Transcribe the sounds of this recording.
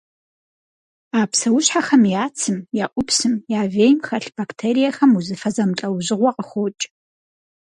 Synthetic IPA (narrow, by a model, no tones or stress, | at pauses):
aːpsɐwʊɕħaxɐmjaːt͡sʰɨmjaːʔʷʊpsɨmjaːveːjmxɐɬb̥aktʰeːɾijɐxɐmuzɨfɐzɐmt͡ɬʼɐwʑɪʁʷɔqʼəxʷoːt͡ʃʼ